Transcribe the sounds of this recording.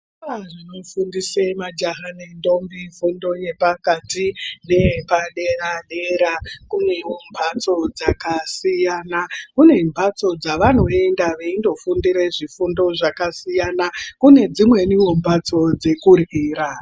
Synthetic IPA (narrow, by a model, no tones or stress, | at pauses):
aʐino̞fundisemad͡ʒaɦane̞ndo̞mbifundo̞je̞pakatine̞paɗeraɗeɾakune̞ombʱat͡so̞d͡zakasijanakune̞mbʱat͡so̞d͡zaʋan̤oe̞ndaʋeindo̞fundiɾe̞ʐifundo̞ʐakasijanakune̞d͡zimwe̞niɦombʱat͡so̞d͡ze̞kuriːɾa